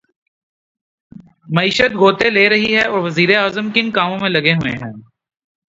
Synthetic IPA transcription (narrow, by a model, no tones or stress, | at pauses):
mɐiːʃət̪̚ɡʱoːt̪eleːɾɐɦiɦɛɔːɾʋɐziːɾeaːzəmkɪnkaːmõmẽlɐɡeɦʊḛɦɛ̃ː